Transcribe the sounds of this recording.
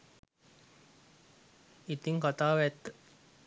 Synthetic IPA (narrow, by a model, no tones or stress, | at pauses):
it̪ɪŋkɔt̪awɛt̪